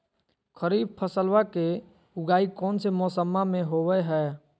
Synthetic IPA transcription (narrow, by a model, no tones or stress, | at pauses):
kʰəɾiːb̚pʰəsəlʋake | ʊɡaːikɔːnsemɔːsəmːamẽɦowɛɦɛː